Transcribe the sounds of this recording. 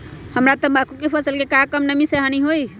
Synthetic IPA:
həmɾat̪ɔbakukepʰəsəlkekakəmnəmiseɦaniɦoi

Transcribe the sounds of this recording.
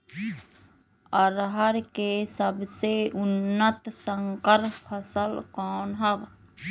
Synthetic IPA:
əɾɦəɾkesəbseʊnːət̪səŋkəɾpʰːəsəlkɔːnɦəb

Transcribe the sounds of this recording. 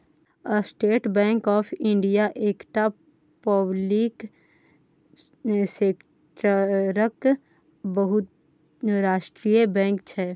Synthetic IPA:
əsʈeːʈbɛ̃ːŋkɔːpʰɪ̃ɳɖijaʔeːkʈa | pəblik | seːk | ʈəɾək | bəɦʊt̪ | ɾaːʃʈɾijebɛ̃ːŋkt͡ʃʰɛː

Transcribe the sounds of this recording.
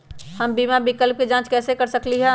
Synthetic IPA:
həmbiːmabɪkəlp̚ked͡ʒãːt͡ʃkɛːsekəɾsəkliɦɛ̃

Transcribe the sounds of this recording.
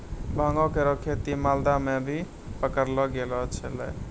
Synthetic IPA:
bʱaŋɡɔ̃keɾɔkʰet̪imald̪amebʱi | pəkəɾlɔɡelɔt͡ʃʰəlɛ̰

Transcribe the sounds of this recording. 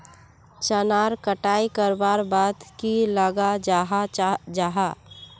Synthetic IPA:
t͡ʃənaːɾkəʈaːikəɾbaɾbad̪kiləɡaɦd͡ʒaɦa

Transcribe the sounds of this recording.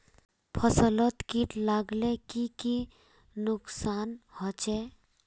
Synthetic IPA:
pʰəsələt̪kiʈlaɡlekiki | nʊksaːnhɔt͡ʃe

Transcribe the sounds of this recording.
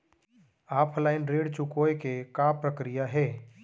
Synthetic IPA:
aːpʰlaːɪnɾeːɽt͡ʃʊkoːekekaːpɾəkɾijaɦɛː

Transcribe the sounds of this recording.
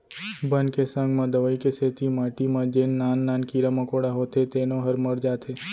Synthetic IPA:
bənkesə̃ŋɡmɐ̃d̪əʋəikeseːt̪imaːʈimãd͡ʒenːaːnːaːnkiɾamɐkoːɽaɦoːt̪et̪eːnõɦəɾməɾd͡ʒaːt̪ʰeː

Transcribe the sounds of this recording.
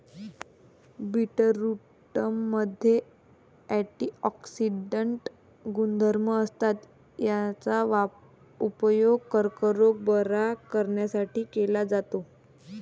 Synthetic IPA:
biʈəɾu | ʈəmːəd̪ʱje | æʈiɔksiɖəɳʈ | ɡund̪ʱəɾməːst̪at̪ | jat͡saʋa | upəjoɡ̚kəɾkəɾoɡ̚bəɾakəɾɳjasaʈiːkelad͡zat̪o

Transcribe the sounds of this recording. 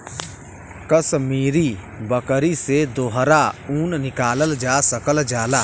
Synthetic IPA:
kəsmiːɾi | bəkəɾised̪oːɦɾauːnnɪkaːləld͡ʒaːsəkəld͡ʒaːlaː

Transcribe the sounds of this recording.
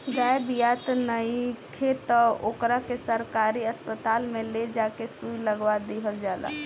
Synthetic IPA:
ɡajbijat̪nəjkʰet̪əo̰kɾakesəɾkaɾiəspət̪almeled͡ʒakesujləɡʋad̪iɦəld͡ʒala̰

